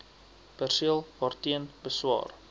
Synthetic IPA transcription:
pærsiəlˠhɑrtiənbəswɑ̰ːr

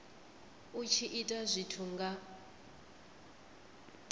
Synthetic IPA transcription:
ut͡ʃʰiʔitʼazʷitʰuŋɡa

